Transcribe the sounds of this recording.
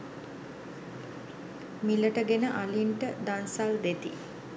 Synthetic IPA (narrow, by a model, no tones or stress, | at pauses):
miləʈəɡenəʔaliɳʈəd̪ansald̪et̪i